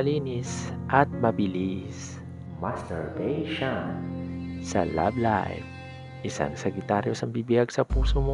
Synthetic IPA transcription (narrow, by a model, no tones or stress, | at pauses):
ɐliːnisʔɐt̪̚mɐbɪlis | mast̪ɛɹvejʃon | sɐ̰la̰blajf | ʔɪsa̰ŋsɛɡɪt̪aːɾjosɐŋbibɪjaɡsɐpuːsomo